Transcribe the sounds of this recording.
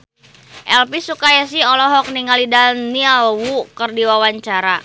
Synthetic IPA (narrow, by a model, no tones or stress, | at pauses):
ʔɛlpisukajas̬iɔlɔɦɔk̚niŋalidalnialwukərdiwawaɲt͡ʃaɾa